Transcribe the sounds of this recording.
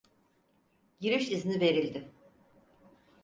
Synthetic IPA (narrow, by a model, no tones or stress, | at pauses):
ɟiɾiʃiznive̞ɾilʲd̪ɪ